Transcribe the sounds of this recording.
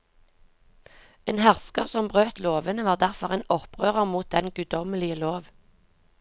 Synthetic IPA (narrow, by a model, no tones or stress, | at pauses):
eːnhæʁskəʁsɔmbʁøːt̪loːʋənəʋɑːʁd̪æʁfɔʁeːnɔpʁøːʁəʁmuːt̪̚d̪ɛnɡʉd̪ɔməlɪəloːʋ